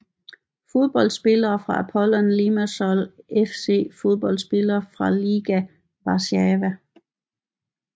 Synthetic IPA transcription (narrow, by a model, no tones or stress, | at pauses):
fo̝ð̞ˠb̥ɒ̽ldsb̥e̝lɐːfʁɑ̈æpʰɒlɒnlimæsɒlefse̝̰ːfo̝ð̞ˠb̥ɒ̽l̰dsb̥e̝lɐːfʁɑ̈liɡ̥æ | ʋɑ̈sɛʋæ